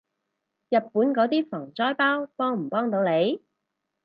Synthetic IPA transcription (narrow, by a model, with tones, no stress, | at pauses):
jɐ˨t̚puː˨˥nkɔː˨˥t̪iː˥fɔː˨˩ŋt͡sɔː˥jpaː˥wpɔː˥ŋm̩˨˩pɔː˥ŋt̪o˨˧wne˨˧j